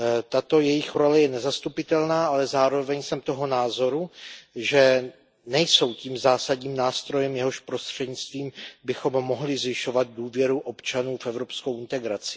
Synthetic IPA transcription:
t̪at̪o̞jɛjɪxɾo̞lɛjɛnɛzast̪upɪt̪ɛlnaːʔalɛzaːɾo̞vɛɲsɛmt̪o̞ɦo̞naːzo̞ɾuʒɛ | nɛjso̞wciːmzaːsadɲiːmnaːst̪ɾo̞jɛmjɛɦo̞ʃpɾo̞st̪r̝̥ɛdɲɪt͡st̪viːmbɪxo̞mːo̞ɦlɪzvɪʃo̞vat̪̚duːvjɛɾuʔo̞pt͡ʃanuːfɛvɾopskowɪnt̪ɛɡɾat͡sɪ̥

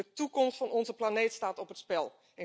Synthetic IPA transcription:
ətukɔmstfɑnɔnzəplanejtstaːtɔpɦətspɛlˠ | ɪ

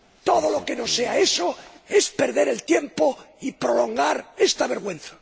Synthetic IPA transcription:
t̪o̞ð̞olo̞ke̞no̞seaesoe̞spe̞ɾðe̞ɾelt̪je̞mpoipɾo̞lo̞ŋɡaɾest̪aβe̞ɾɣwẽ̞n̟θḁ

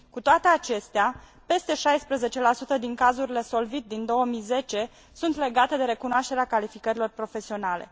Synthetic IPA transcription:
kut̪oat̪e̞at͡ʃe̞st̪ea | pe̞st̪e̞ʃajspɾəze̞t͡ʃe̞lasut̪əd̪iŋkazuɾile̞so̞lvit̪̚d̪ind̪o̞wəmijze̞t͡ʃe̞ | sunt̪le̞ɡat̪e̞d̪e̞ɾe̞kunoaʃt̪eɾeakalifikəɾilo̞rpɾo̞fe̞sio̞nale̞̰

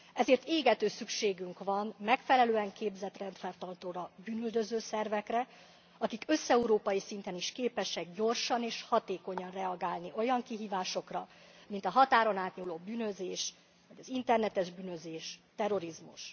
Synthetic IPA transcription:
ɛzeːrt̪eːɡɛt̪øːsykʃeːɡyŋkvɒnmɛkfɛlɛløːɛŋkeːbzɛt̪rɛnt̪fɛrt̪ɒlt̪oːɾɒbyːnyld̪øzøːsɛrvɛkrɛ | ɒkikø̞sːɛuɾoːpɒjisint̪ɛniʃkeːpɛʃɛɡ̚ɟo̞rʃɒneːʃhɒt̪eːko̞ɲɒnrɛɒɡaːlniʔo̞jɒŋkiɦiːvaːʃo̞krɒmint̪ɒɦɒt̪aːɾo̞naːt̪ɲuːloːbyːnø̞zeːʃ | vɒɟɒzint̪ɛrnɛt̪ɛʒbyːnø̞zeːʃt̪ɛro̞ɾizmṵʃ

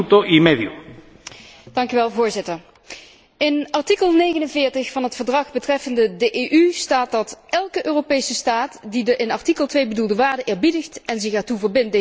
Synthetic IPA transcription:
t̪oʔimeðju | d̥ɑŋkyʋɛlˠvʊːɹzɪtəɹ | ɪnɑɹtikəlˠnejɣənənvɪːɹtəxfɑnɦətfəɹdrɑχbətrɛfəndədəʔeːʔystaːt̚dɑtɛlˠkəʔøːropejsəstaːtdidəʔɪnɑɹtikəlˠtʋejbədulˠdəʋaːɹdəʔɪːɹbidəxtɛnzɪxaːɹtuvəɹbɪnt̚de

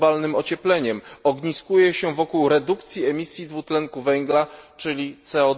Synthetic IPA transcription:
balnɘmɔt͡ɕɛplɛɲɛmɔɡɲiskujɛɕɛvɔkuwɾɛd̪ukt̪sʲjiɛmʲisʲjid̪vut̪lɛŋkuvɛŋɡlat͡ʂɘlʲit̪sɛɔ

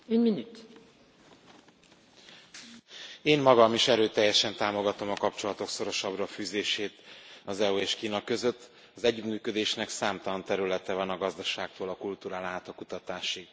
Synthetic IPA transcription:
ɛɟminyt̪ | eːnmɒɡɒmiʃɛɾøːt̪ɛjːɛʃɛnt̪aːmo̞ɡɒt̪o̞mɒkɒpt͡ʃo̞lɒt̪o̞kso̞ɾo̞ʃɒbrɒfyːzeːʃeːt̪ɒzɛueːʃkiːnɒkø̞zø̞t̪ː | ɒzɛɟːyt̪myːkød̪eːʃnɛksaːmt̪ɒlɒnt̪ɛɾylɛt̪ɛvɒnɒɡɒzd̪ɒʃaːk̚t̪oːlɒkult̪uːɾaːlaːt̪ɒkut̪ɒt̪aːʃi

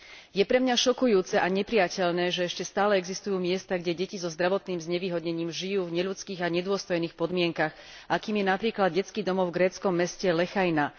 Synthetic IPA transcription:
jɛpɾɛmɲaʃɔkujuːt͡sɛʔaɲɛpɾɪjacɛʎnɛːʒɛɛʃcɛst̪aːlɛɛɡzist̪ujuːmɪɛst̪aɡɟɛɟɛcizɔzd̪ɾaʋɔt̪niːmzɲɛʋiːɦɔdɲɛɲiːmʒijuːvɲɛʎut͡skiːɣaɲɛd̪ʊɔst̪ɔjniːxpɔd̪mɪɛŋkaɣ | ʔakiːmjɛnapɾiːklad̪ɟɛt͡skiːd̪ɔmɔvɡɾɛːt͡skɔmːɛscɛlɛxajna

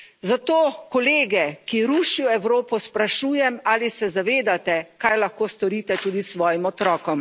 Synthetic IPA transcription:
zat̪oːkɔleːɡɛkiɾuːʃijɔɛwɾoːpɔspɾaʃuːjɛmaːlisɛzaʋeːd̪at̪ɛkajlaxkoːst̪ɔɾit̪ɛt̪uːd̪isʋɔːjimɔt̪ɾɔːkɔm

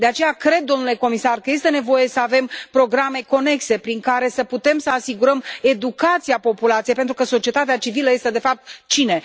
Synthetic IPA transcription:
d̪e̞at͡ʃe̞jakɾe̞d̪̚ːo̞mnule̞ko̞misarkəje̞st̪e̞ne̞vo̞je̞səave̞mpɾo̞ɡɾame̞ko̞ne̞kse̞pɾiŋkaɾe̞səput̪e̞msəasiɡuɾəme̞d̪ukat̪siapo̞pulat̪sijejpent̪ɾukəso̞t͡ʃie̞t̪at̪eat͡ʃiviləje̞st̪e̞d̪e̞fap̚t̪t͡ʃine̞

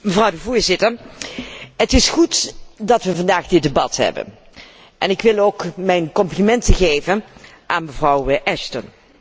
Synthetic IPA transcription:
məvrɑwdəvʊːɹzɪtəɹ | ɦətɪsχutdɑtʋəvɑndaːχdɪd̚əbɑtɦɛ̰bə̰n | ʔɛnɪkʋɪlˠoːkmɛjnkɔmplimɛntəχejvən | ʔaːnməvrɑwʔɛstən

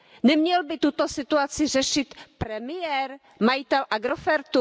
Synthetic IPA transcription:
nɛmɲɛlbɪt̪ut̪o̞sɪt̪uat͡sɪr̝ɛʃɪt̪pɾɛmɪjɛɾ | majɪt̪ɛlʔaɡɾofɛɾt̪u

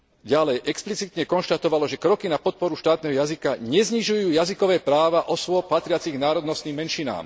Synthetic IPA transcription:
ɟalɛjʔɛksplit͡sit̪ɲɛkɔnʃt̪at̪ɔʋalɔʒɛkɾɔkinapɔt̪̚pɔɾuʃt̪aːt̪nɛɦɔjazikaɲɛzɲiʒujuːjazikɔʋɛːpɾaːʋaʔɔsʋɔpat̪ɾɪat͡siɣnaːɾɔd̪nɔst̪niːmːɛnʃina̰ːm

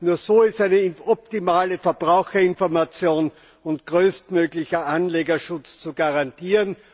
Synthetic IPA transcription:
nuːɐsoːɪstaɪnəɔp̚timaːləfɛɐbʁaʊxɐɪnfɔɐmat͡sjoːn | ʊntɡ̥ʁøːstmøːɡlɪçɐʔanleːɡɐʃʊt͡st͡suɡaʁantʰiːʁən

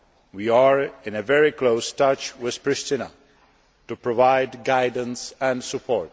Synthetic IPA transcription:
wiaɹɪ̃nevɛɹikloʊstʌt͡ʃwɪð̥pɹɪstɪna̰ | tupɹɔvaɪdɡaɪdə̃nsɛ̃nsupʰɔɹt̚

